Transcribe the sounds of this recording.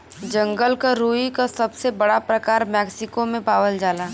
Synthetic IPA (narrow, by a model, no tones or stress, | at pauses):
d͡ʒɐ̃ŋɡəlkaɾuːikasɐbsebɐɽapɾɐkaːɾmɛːksɪkomẽpaːʋəld͡ʒaːlaː